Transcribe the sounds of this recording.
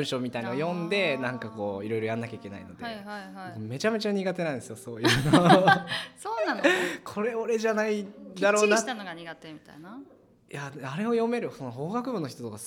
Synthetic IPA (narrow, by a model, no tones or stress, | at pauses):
ɯ̃ɕo̞ːmʲit̪ainaojõ̞nd̪e̞nãŋkako̞ːiɾo̞jɾo̞jãnːakʲaikʲe̞na̰ḭno̞d̪ekme̞t͡ɕame̞t͡ɕaɲ̟iɡat̪e̞nãĩd̪esɨjoso̞ːjɯːno | soːãnkʰo̞ɾe̞o̞ɾe̞ʑanaid̪aɾo̞ːat̪noɡaɲiɡat̪emʲit̪aina | jaaɾe̞o̞jo̞me̞ɾɯ̟so̞noɦo̞ːɡakɯ̟bɯ̟nːoçit̪ot̪o̞ka